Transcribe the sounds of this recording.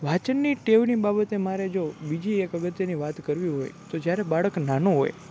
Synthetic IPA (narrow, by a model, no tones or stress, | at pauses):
ʋ̤ʱat͡ʃənːiʈeʋnibabət̪emaɾed͡ʒobid͡ʒiekəɡət̪jəniʋat̪kəɾʋiɦo̰jt̪od͡ʒjaɾebaɭəknanoɦo̰j